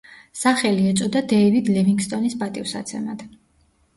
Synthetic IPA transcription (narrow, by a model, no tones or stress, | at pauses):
saχɛliɛt̪sʼɔd̪ad̪ɛivid̪lɛmiŋɡst̪ʼɔnispʼat̪ʼivsa̰t̪sʰɛ̰nad̪̥